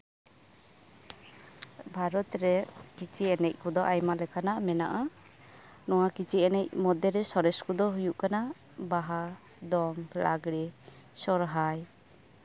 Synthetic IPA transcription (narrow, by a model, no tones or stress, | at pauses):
bʱaɾɔt̪ɾɛkit͡ʃʰiɛnɛc̚ˀkɔd̪ɔʔajmalɛkʰanaʔmɛna̰ʔa | nɔwakit͡ʃiɛnɛc̚mɔd̪ɛɾɛsɔɾɛskɔd̪ɔɦujuʔkana | baɦa | d̪ɔŋla̰ɡɽɛ | sɔɾɦaj